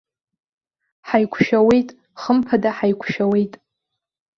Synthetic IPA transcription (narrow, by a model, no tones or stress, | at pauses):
ħajkʷʰʃᶣawe̞jtʼ | χəmpʰadaħajkʷʰʃᶣawe̞jtʼ